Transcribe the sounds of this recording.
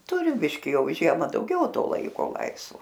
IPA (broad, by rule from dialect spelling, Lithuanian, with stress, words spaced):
ˈtʊrʲɪ ˈbʲɪʃʲkʲɪ ˈjɛʊ ˈʒʲiɛmɐ ˈdɐʊɡʲɛʊ ˈtoː ˈlˠɐɪkoː ˈlˠɐɪsʋoː